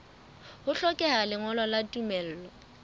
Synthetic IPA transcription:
hʊɬɔkʼɛɦalɪŋɔlɔlatʼumɛl̩ːlɔ

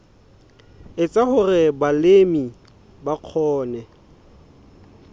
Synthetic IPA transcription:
ɪt͡sʼahʊrɪbalemi | baq͡χʰɔːnɛ

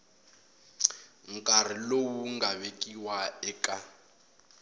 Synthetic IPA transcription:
ŋ̩kʼar̤ilowuŋɡaβekʼiwaɛkʼa

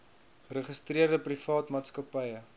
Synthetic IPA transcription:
rəχəstriərdəprifɑːtmɑːtskɐpɐjə

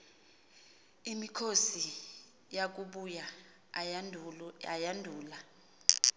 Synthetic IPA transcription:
imikʰosi | jak̬uɓuja | a̰jandʱuːla

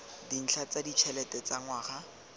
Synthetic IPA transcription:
din̩ɬʰat͡sadit͡ʃʰɛlɛtɛt͡saŋwaːχa

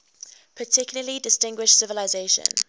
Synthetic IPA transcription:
pʰətʰɪkjʊləlidɪstɪ̃ŋɡwɪʃsɪvəlaɪzeɪʃə̰̃n

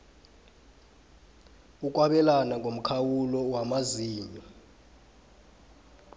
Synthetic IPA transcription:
uk̬ʼwaɓɛlanaŋɡʱom̩kʰawulɔwamaziːɲɔ

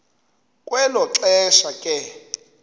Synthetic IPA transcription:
kʼwɛlɔǁɛʃakʼɛ

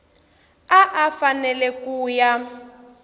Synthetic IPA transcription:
aʔafanɛlɛkuːja

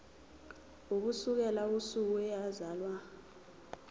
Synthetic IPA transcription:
uk̬usuk̬ɛlausuk̬uɛjazaːlwa

